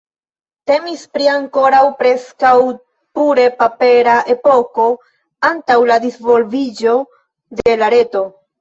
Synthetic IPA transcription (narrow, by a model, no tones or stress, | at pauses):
te̞mispɾiaŋko̞ɾawpɾe̞skaw | puɾe̞pape̞ɾaʔe̞po̞ko̞ | antawladisvo̞lvid͡ʒo̞ | de̞laɾe̞to̞